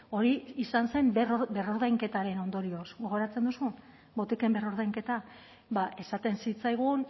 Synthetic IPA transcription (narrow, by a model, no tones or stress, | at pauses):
o̞ɾiisanse̞mrbe̞ro̞ɾðajŋke̞t̪aɾe̞no̞nd̪o̞ɾio̞sɡo̞ɣo̞ɾat͡se̞nd̪usun | bo̞t̪ike̞mbe̞roɾð̞ajŋke̞t̪a | baʔe̞sat̪e̞nsit͡sajɣ̞un